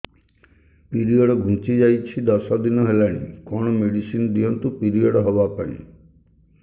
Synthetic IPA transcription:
piɾiɔɽɔɡʱũt͡ʃid͡ʒajt͡ʃʰid̪ɔsad̪inɔɦelaɽ̃ḭkɔɽ̃ɔmeɽisind̪ijɔnt̪upiɾijɔɽɔɦɔbapaĩḭ̃

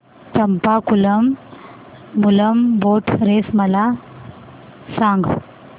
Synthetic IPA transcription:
t͡ɕəmpakuləmː | uləmboʈʰɾesməla | sãŋɡ

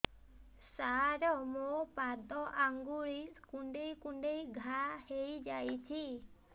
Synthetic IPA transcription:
saɾɔmopad̪ɔʔaŋɡuɭikuɳɖejkuɳɖejɡʱahejd͡ʒajt͡ʃʰi

